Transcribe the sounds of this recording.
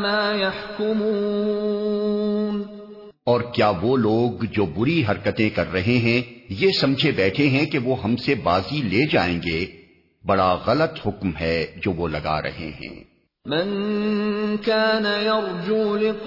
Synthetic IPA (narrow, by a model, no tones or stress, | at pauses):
maːjaħkʊmuː | n | ɔːɾkjaːʋoloːɡd͡ʒoːbʊɾiɦɐɾkət̪ẽkɐɾːɐɦeɦɛ̃jesɐ̃md͡ʒʱebɛːʈʰeɦɛ̃keʋoːɦɐmsebaːzileːd͡ʒaːẽːŋɡeː | bɐɽaɣɐlət̪hʊkmɦɛd͡ʒoːʋolɐɡa̰ːɾʔɐ̰ɦḛɦɛ̰̃ː | mɪn | kaːnajɑɾˤd͡ʒuːlɪq